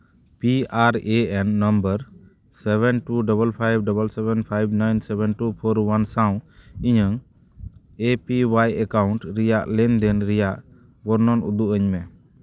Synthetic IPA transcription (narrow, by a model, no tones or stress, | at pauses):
piaɾeɛnːəmbəɾ | sɛβɛnʈuɖɔbəlpʰajb̚ɖɔbəlsɛbɛnpʰajb̚najnsɛbɛnʈupʰɔɾwansaw̃iɲəŋ | epiwajɛkawɳʈɾijaʔlɛnd̪ɛnɾɛjaʔ | bɔɾnɔnud̪uʔəɲmɛ